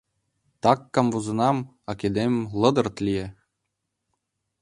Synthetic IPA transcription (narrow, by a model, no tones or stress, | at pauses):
t̪ɑkːɑmvuzɤ̆nɑm | ɑkʲed̪emʲlˠɤ̆d̪ɤ̆rt̪lʲije